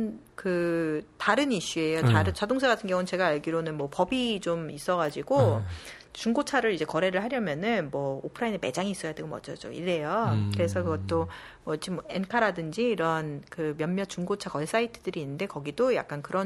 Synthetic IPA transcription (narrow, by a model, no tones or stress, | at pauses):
nkɯtaɾɯniɕ͈ue̞joaɾɯt͡ɕadoŋs̬ʰaɡatʰɯnɡjʌŋunɯnt͡ɕe̞ɡaːɭɡiɾonɯnmwʌpʌbit͡ɕomis͈ʌɡad͡ʑiɡo | t͡ɕuŋɡot͡ɕʰaɾɯɾid͡ʑe̞kʌɾe̞ɾɯɭɦaɾjʌmjʌnɯnmwʌopʰɯɾaineme̞̰d͡ʑaŋiːs͈ʌjade̞ɡomʌ̰d͡ʑʌd͡ʑo̰ḭɾe̞jokɯɾe̞sʰʌkɯɡʌt̚t͈o | mʌid͡ʑimʌe̞nkʰaɾadɯnd͡ʑiːɾʌnkɯmjʌmmjʌt͡ɕuŋɡot͡ɕʰakʌɭs͈aitʰɯdɯɾiːnːɯnde̞kʌɡidoja̰k͈̚ankɯɾʌn